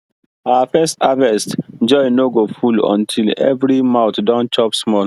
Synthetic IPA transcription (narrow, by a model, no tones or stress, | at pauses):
awafɛstavɛstd͡ʒɔjnoɡofulɔ̰̃ntʰilɛ̰vɹimãʊtdɔ̃nt͡ʃɔpsmɔl